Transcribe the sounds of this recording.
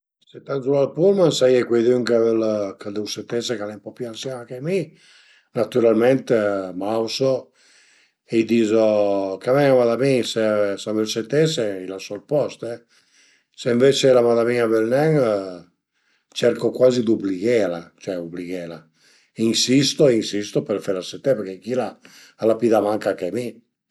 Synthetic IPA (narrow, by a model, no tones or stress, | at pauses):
set̪ːanzulalpulmansajɛkwejðyŋkavelkad̪uwset̪ːesekalɛmpɔpjualsimakemi | nat̪uɾalment̪emawso | ejd̪iːzokamɛŋamaðamisesavelset̪ːeseilasɔlpɔst̪ɛ | seiɱveːt͡ʃelamaðamiabelnɛŋ | t͡ʃɛrkokwaːzid̪ubliɣelat͡ʃɛubliɣela | insist̪oinsist̪opeɾfeɾaset̪ːɛpɛɾkek̟ila | alapiːðamaŋkakami